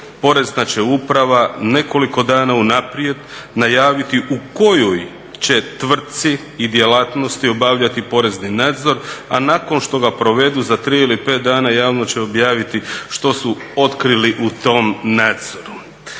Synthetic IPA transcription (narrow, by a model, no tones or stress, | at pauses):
po̞ɾe̞znat͡ɕe̞upɾaʋane̞ko̞liko̞d̪aːnaunapɾije̞d̪najaːʋit̪iʔuko̞joj | t͡ɕe̞t̪ʋr̩t̪t̪siː | d̪je̞lat̪no̞st̪io̞baʋʎat̪ipo̞ɾe̞zninaːd̪zo̞ɾa̰nako̞nʃt̪o̞ɡapɾo̞ʋe̞d̪uzat̪ɾiilipe̞ːt̪̚d̪aːnajaːʋnot͡ɕe̞o̞bjaːʋit̪iʃt̪o̞suo̞t̪kɾiliʔut̪o̞mnaːd̪z̥o̞ɾu